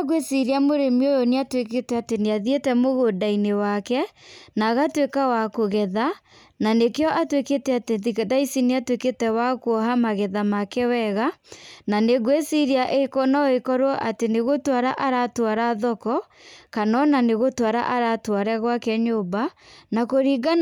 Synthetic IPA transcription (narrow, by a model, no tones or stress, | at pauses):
aɡwesiɾiamoɾemiojɔneatweketɛateneaðietɛmoɣodainewakɛnaɣatwekawakoɣɛða | nanekeɔʔatweketɛateðikɛdaisineatweketɛwakuɔɦamaɣɛðamakɛwɛɣananeɡwesiɾiaʔeikɔnaekɔɾwɔʔateneɣotwaɾaʔaɾatwaɾaðɔkɔ | kanɔnaneɣotwaɾa̰ʔaɾatwaɾɛɣwakɛɲoːbanakoɾiɡa